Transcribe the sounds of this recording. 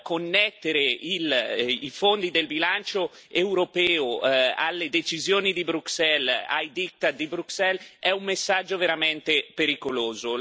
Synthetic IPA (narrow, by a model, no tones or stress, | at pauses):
konːɛt̪ːeɾeilifond̪id̪elbilant͡ʃo | ewɾopɛːoa̰lːed̪et͡ʃizjoːnid̪ibɾuksɛla̰jd̪ik̚t̪ad̪ibɾuksɛlɛumːesːad͡ʒːoveɾamɛnt̪epeɾikoloːzo